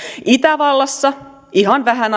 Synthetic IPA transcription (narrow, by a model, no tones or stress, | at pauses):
it̪æʋɑlːɑsːɑ | iɦɑnʋæɦæn